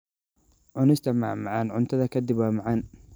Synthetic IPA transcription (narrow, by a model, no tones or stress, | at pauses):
ʕʊnɪst̪ʰɐmaʕmaʕanʕʊnt̪ʰɐðɐkʰɐd̪ɪbwaːmaʕan